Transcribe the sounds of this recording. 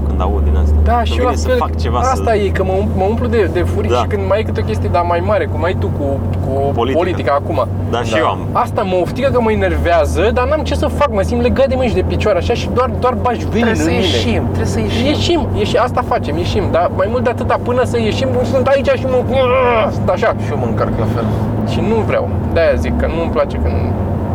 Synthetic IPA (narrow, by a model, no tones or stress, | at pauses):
kɨ̰nd̪a̰ud̪ḭna̰st̪d̪aʃi | akt͡ʃevaast̪aje̞kəməumpməumplud̪ed̪e̞fuɾiʃikɨnd̪məjajkɨt̪eo̞kʲest̪ije̞d̪amajmaɾe̞kumajt̪uku | kuplipolit̪ikaːkuma | d̪a̰ | ast̪aməoft̪iɡək̬əməine̞rveazəd̪anamt͡ʃesəfakməsimle̞ɡad̪emɨʃ̬d̪e̞pit͡ʃoaɾaʃaʃid̪oard̪oarbaʒveinɨemineimt̪ɾesəjeʃje̞ʃimjeʃiast̪afat͡ʃe̞mje̞ʃimd̪amajmult̪d̪eat̪ɨt̪apɨnəsəje̞ʃimumsunt̪ait͡ʃaʃiməksunt̪aʃaʃioməɨŋkarkla̰fḛl | ʃinuvɾea̰w | d̪ajazikːənuəmplat͡ʃe̞kən